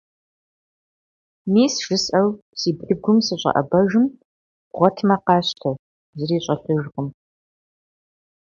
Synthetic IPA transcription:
miːsʒ̥ɨsʼɐw | siːbɨɡʷʊmsɨɕʷʼɐ̰ʔɐ̰bɐʒɨm | ʁʷɔtʰmɐqɑːɕtʰɐ | zɨriːɕʷʼɐfɨʒqəm

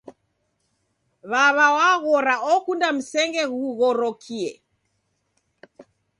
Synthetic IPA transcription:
βaβawaɣɔɾaʔɔkundam̩sɛŋɡɛɣuɣɔɾɔkʰiɛ̰

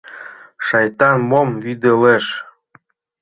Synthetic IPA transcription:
ʃɑjt̪ɑnmomvyd̪eleʃ

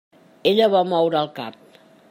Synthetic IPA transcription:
eʎəβamɔwɾəːlˠkap̚

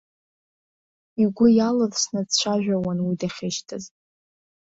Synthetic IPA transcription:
iɡʷʊjalɨrsnɨdt͡ɕʷʰaʒᶣawanwidaχʲeʃtʰɨz

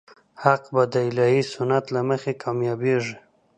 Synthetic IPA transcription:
haqbad̪əɪlɑhisʊnat̪laməxekʰɑmjɑbeʐi

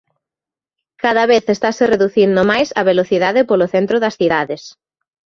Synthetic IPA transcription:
kaðɐβeθest̪asɪreðuθind̪ʊmajsɐβeloθiðaðɪpoloθent̪ɾʊðɐsθiðaðes

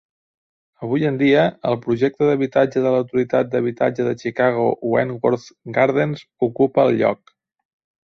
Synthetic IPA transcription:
əβ̞ujənd̪iəəlˠpɾuʒɛk̚t̪əðəβit̪ad͡ʒəðələwt̪uɾit̪at̪̚d̪əβ̞it̪a̰d͡ʒəðət͡ʃikaɣ̞uwɛnɡwoɾθɡaɾðənzukupəːlˠʎɔ̰k

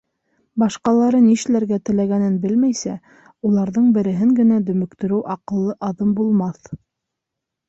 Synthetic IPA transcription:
bɑʃqɑlˠɑɾɤniʃlæɾɡæt̪ɘ̆læɡænɘnbɘlmæjsæ | ulˠɑɾðɤɴbɘ̆ɾɘ̆ɦɘŋɡɘ̆næd̪ɵ̆mɵ̆kt̪ɵ̆ɾɘwʔɑqɤ̆lˠːɤʔɑðɤmbulˠmɑθ

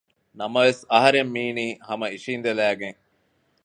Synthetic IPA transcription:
nɐmɐʋesɐɦɐɾemːiːniːhɐmɐiʂiːnd̪elæːɡeŋ

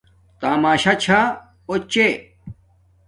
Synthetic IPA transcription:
t̪aːmaːɕat͡ɕʰa | ot͡ɕe

